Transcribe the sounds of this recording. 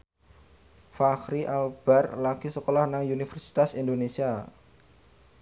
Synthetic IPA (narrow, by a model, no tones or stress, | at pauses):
faxɾiʔalb̥arlaɡ̥isəkolɔhnaŋjunifɛrsi̥t̪asindonesia